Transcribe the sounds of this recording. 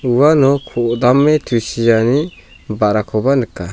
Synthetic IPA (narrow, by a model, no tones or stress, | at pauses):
uwanɔkʰɔʔd̪amːɛt̪ʰusijani | baɾakʰɔbanɯkːa